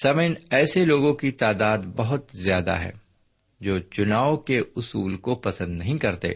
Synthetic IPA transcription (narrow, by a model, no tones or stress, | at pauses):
sɐmənɛːseloːɡõkit̪aːd̪aːd̪bɐɦʊt̪zjaːd̪a̰ɦɛ̰ː | d͡ʒoːt͡ʃʊnaːokeʊsuːlkopɐsə̃nd̪nɐɦĩkɐɾt̪ḛː